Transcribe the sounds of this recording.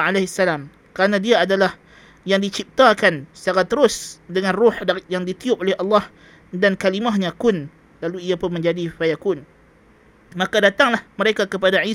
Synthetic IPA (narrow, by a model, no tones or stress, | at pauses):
aleɦsːalam | kəɾanãdiaːdalah | jaŋdit͡ʃip̚t̪akansaɡat̪ːəɾʊsdəŋãnrʊħajaŋdit̪iʊp̚olɛhʔɑlːɑh | dankalimahɲãkʊn | laluijapʊnmə̃ɲd͡ʒadifajakʊn | mãkadat̪aŋlahməɾekakəpadai